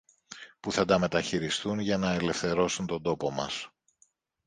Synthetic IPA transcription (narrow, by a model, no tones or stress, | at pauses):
puθɐd̪ɐme̞t̪ɐçiɾist̪unʝɐnɐe̞le̞fθe̞ɾo̞sunt̪o̞nd̪o̞po̞mɐs